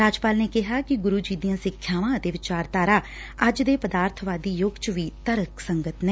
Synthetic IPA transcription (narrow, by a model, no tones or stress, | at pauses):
ɾaːd͡ʒpaːlneːkɪɦaːkɪɡʊɾuːd͡ʒiːd̪ijãːsɪkʰːjaːʋãːd̪eːʋɪt͡ʃaːɾt̪aːɾaː | əd͡ʒd̪eːpəd̪aːɾt̪ʰʋaːd̪iːjoɡt͡ʃʋiːt̪əɾəksəŋɡət̪nɛ̃ː